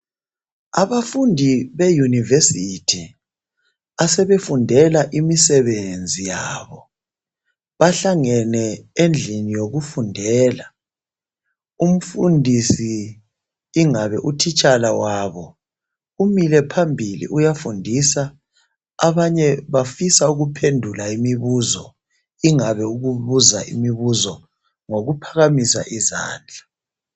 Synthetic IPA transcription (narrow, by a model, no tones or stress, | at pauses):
aβafundʱiβejunivesitʰi | asɛβefundʱɛlaʔimisɛβend͡zʱijaːβɔ | βaɬaŋɛnɛend͡ɮʱinijoɣufundʱɛːla | um̩fundʱisiː | ŋaβɛ̰ʔutʰit͡ʃʼalawaːβɔ | umilɛpʰambʱilḭʔujafundʱisaː | βaɲɛβafisauɣupʰendʱulaimiβuzɔ̰ | iŋaβɛuɣuβuzaʔḭmiβuzɔ | ŋoɣupʰaɣamisa̰ʔiza̰ːnd͡ɮʱa